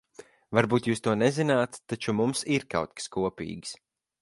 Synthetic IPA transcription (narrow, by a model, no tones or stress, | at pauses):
vaɾbuːt̪juːst̪uɔnɛzinaːt̪t̪ːat͡ʃumumsiɾka̰wt̪̚kḁskuɔpʲḭːɡs